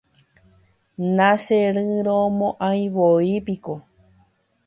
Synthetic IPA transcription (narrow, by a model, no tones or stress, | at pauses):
nãʃeɾɨɾomõʔãj̃ʋoipiko